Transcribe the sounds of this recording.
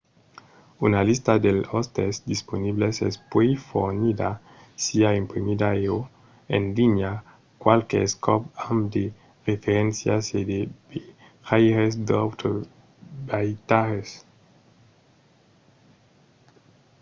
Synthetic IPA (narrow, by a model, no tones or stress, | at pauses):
unalist̪ad̪elost̪esd̪isponiβlesespwejfo̰ɾnid̪a | siaimpɾimid̪aeo | ḛnliɲa | kwalkḛskʰɔpamd̪e | ʁefeɾensjased̪ebe | hajɾesd̪ot̪o | bajt̪aɾes